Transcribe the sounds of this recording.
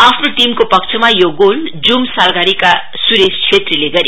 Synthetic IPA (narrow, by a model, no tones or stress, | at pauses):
apʰnoʈimkopʌkt͡sʰʌmajoɡold͡zumsalɡaɾika | suɾest͡ɕʰet̪rileɡʌɾi